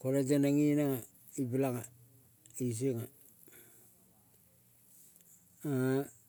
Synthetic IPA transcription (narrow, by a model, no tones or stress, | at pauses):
koɾed͡ʒanaŋinaŋa | ibilaŋa | is̬iŋa | a